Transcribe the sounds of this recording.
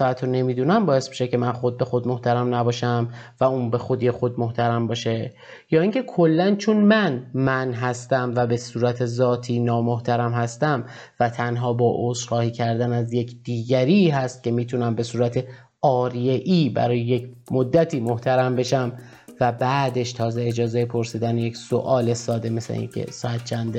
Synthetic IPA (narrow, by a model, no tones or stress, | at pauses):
æt̪ʰone̞miːd̪uːnæmbɒːje̞st̪mi̥ːʃece̞mænxo̞d̪̚be̞xo̞d̪̚moht̪æɾæmnæbɒːʃæmvæuːnbe̞xo̞d̪ijexod̪̚moht̪ʰæɾæmbɒːʃe̞ | jɒːiŋcʰe̞kʰo̞lːænt͡ʃʰonmænmænɦæst̪æmvæbe̞suːɾæt̪ʰe̞zɒːt̪ʰiːnɒːmoht̪ʰæɾæmhæst̪æm | væt̪ʰænɦɒːbɒːʔosxɒːhiːcʰæɾd̪ænæzjecʰd̪̥iːɟæɾiːɦæst̪̚cʲe̞miːt̪ʰunæmbe̞suːɾæt̪ʰe̞ | ɒːɾijeʔiːbæ̰ɾɒːjeje̞cʰmod̪ːæt̪ʰiːmoht̪ʰæɾæmbe̞ʃæm | væbæd̪e̞ʃt̪ʰɒːzeed͡ʒɒːzejepʰo̞ɾsiːd̪ænjecso̰ʔɒːle̞sɒːd̪e̞meslḛḭːnkʰḛsɒæt̪̚t͡ʃʰænd̪e